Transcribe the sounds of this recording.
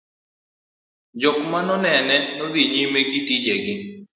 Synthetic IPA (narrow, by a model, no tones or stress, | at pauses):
d͡ʒɔkmanɔnɛnɛnɔd̪iɲimeɡitid͡ʒeɡɪ